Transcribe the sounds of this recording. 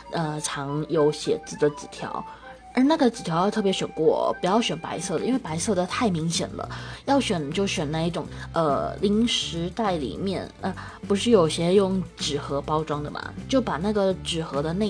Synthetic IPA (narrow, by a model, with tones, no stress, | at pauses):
ə˧ʈ͡ʂʰɑ˧˥ŋjo˧˥ʊɕjɛ˨˩t͡sɹ̩˥˩d̪ə˩t͡sɹ̩˨˩t̪ʰjɑ̰˧˥ʊ | ə˞˧˥na˥˩ɡə˩t͡sɹ̩˨˩t̪ʰjɑ˧˥ʊjɑ˥˧ʊt̪ʰɤ˥˩p̬jɛ˧˥ɕɥɛ̰˨˩nkwɔ̰˥˩pu˧˥jɑ˥˩ʊɕɥɛ˨˩npa̰˧˥ɪsɤ˥˩d̪ə˩i˥nwe˥˩pa˧˥ɪsɤ˥˩d̪ə˩t̪ʰa˥˩ɪmi˧˥ŋɕjɛ̰˨˩nlə̰˦jɑ˥˩ʊɕɥɛ˨˩nt͡ɕjo˥˩ʊɕɥɛ˨˩na˥˧i˥˩ʈ͡ʂʊ˨˩ŋə̰˧li˧˥ŋʂɻ̩˧˥t̪a˥˩ɪlḭ˨˩mjɛ˥˩nə˧ | pu˧˥ʂ̬ɻ̩˥˩jo˨˩ʊɕjɛ˥jʊ˥˩ŋʈ͡ʂɻ̩˨˩xɤ˧˥pɑ˥ʊʈ͡ʂwɑ˥ŋd̪ə˨mɐ̰˩t͡ɕjo˥˩ʊpa˨˩na˥˩ɡə˩ʈ͡ʂɻ̩˨˩xɤ˧˥d̪ə˧ne˥˩